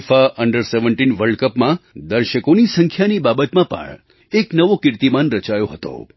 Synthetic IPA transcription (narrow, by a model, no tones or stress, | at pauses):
faʔəɳɖəɾseʋə̃ɳʈinʋəɾɖkəpmãd̪əɾʃəkonisəŋkʰjanibabət̪mãpə̰ɳ | eknəʋokɪɾt̪imanɾət͡ʃajoɦət̪o̰